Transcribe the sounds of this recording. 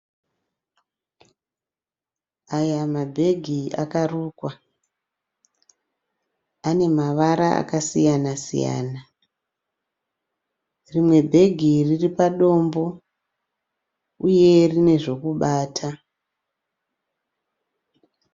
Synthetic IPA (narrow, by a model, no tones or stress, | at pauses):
ajamabʱe̞ɡʱia̰karuːkwa | ane̞maʋaɾaa̰kasijanasḭja̰ːna | rimwe̞bʱe̞ɡʱiriripaɗo̞mbo̞ | uje̞rine̞ʐo̞kuɓaːtʰa